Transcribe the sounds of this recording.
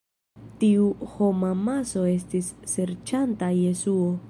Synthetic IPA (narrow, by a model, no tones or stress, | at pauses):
tiuho̞mamaso̞e̞s̬tisːe̞ɾt͡ʃantaje̞suo̞